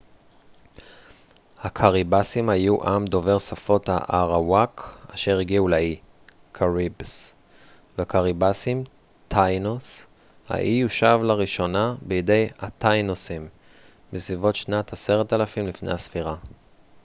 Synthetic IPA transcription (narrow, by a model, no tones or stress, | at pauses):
hakʰaʁibasimhajuʔamd̪o̞ve̞ʁsafo̞tha̰ʔaʁawakaʃe̞ʁiɡiulai | kʰaʁibs | veakaʁibasim | tʰajnos | ha̰ʔijuʃavlaʁiʃo̞nabeide̞jatajnosimː | isvivo̞tʃnat̪hase̞ʁet̪alafimlifnḛjhasfiʁa